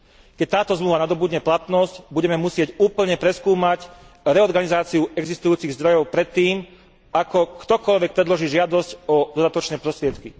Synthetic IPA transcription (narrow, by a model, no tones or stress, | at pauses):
kɛc̚t̪aːt̪ɔzmluːʋanad̪ɔbuːdɟɲɛplat̪nɔscbuɟɛmɛmusɪɛcuːpl̩ɲɛpɾɛskuːmac | ɾɛɔɾɡanizaːt͡siuɛɡzist̪ujuːt͡siɣzd̪ɾɔjɔʊpɾɛt̪ːiːm | akɔkt̪ɔkɔʎʋɛk̚pɾɛd̪lɔʒiːʒɪad̪ɔscɔd̪ɔd̪at̪ɔt͡ʃnɛːpɾɔst̪ɾɪɛt̪ki